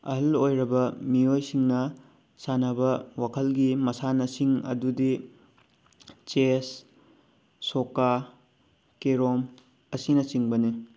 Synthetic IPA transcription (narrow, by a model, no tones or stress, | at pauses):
ɐ̰ɦɐlojɾɐbɐmiojsiŋnɐ | sanɐbɐwakʰɐlɡimɐsanɐsiŋɐ̰dudi | t͡ʃes | oka | keɾom | ɐsinɐsiŋbɐni